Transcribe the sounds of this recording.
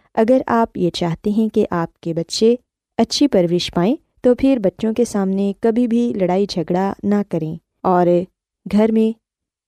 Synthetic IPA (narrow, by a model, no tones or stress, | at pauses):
ɐɡəɾaːpjet͡ʃaːɦt̪eɦɛ̃keʔaːp̚kebɐtːʃe | ɐtːʃʰipɐɾʋɪʃpaːẽ | t̪opʰɪɾbɐtːʃõkesaːmnekɐbʱibʱilɐɽaːid͡ʒʱɐɡɽanakɐɾẽː | ɔːɾ | ɡʱɐɾmẽ